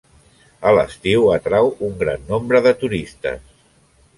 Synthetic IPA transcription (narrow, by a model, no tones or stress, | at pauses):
ələ̰st̪iwət̪ɾawuŋɡɾa̰nːombɾəðət̪uɾist̪ə̰s